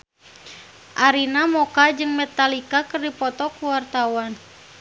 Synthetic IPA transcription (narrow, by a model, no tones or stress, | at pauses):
ʔaɾinamɔkad͡ʒɨŋmɛt̪alikakɨrdipɔt̪ɔkuwart̪awan